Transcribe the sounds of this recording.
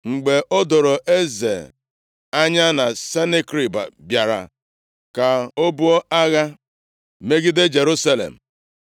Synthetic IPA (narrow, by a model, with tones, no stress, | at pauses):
ŋ͡m̩˨ɡ͡be˨ʔo˦do˨ɾo˨ʔe˦zḛ˨ | a˦ɲa˦na˨se˦ne˦kɾi˨ba̰˨bja˨ɾa̰˨ | ka˨o˦bu˦o˦a˦ɣa˦ | me˦ɡɪ˦de˦d͡ʒe˨ɾu˦sa˦lḛ˨m̩˨